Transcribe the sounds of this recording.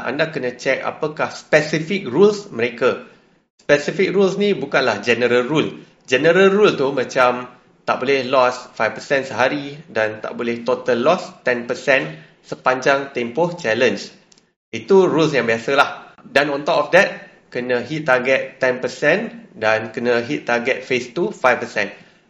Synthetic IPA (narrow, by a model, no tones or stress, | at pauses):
ʔa̰ndakənə̃t͡ʃɛk̚a̰pəkahspɛsifik̚rulsməɾeka | spɛsifik̚ɾulsnĩbukanlahd͡ʒɛnəɾəlrul | d͡ʒɛnəɾəlɾult̪umãt͡ʃam | t̪a̰ʔbolɛhlɔsfajfpəsɛnsəɦaɾidant̪a̰ʔbolɪht̪ot̪əlːɔst̪ɛnpəsɛn | səpaɲd͡ʒaŋt̪empɔht͡ʃɛləns | it̪uɾuls̬jãŋbiasəlahdanɔ̃nt̪ɔpɔfdɛt̪̚ | kənə̃ɦit̪̚ːaɡɛt̪ːɛnpəsɛ̃ndankənə̃ɦit̪ːaɡɛt̪̚fest̪ufajfpəsɛ̃n